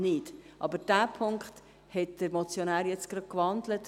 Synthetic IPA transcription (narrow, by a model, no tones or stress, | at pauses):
nɪtʔɑbəɾd̥æːpʰʊŋkχt | hɛt̚d̥əɾmɔt͡sjonæːɾjɛt͡sɡ̥ɾɑkʋɑndlət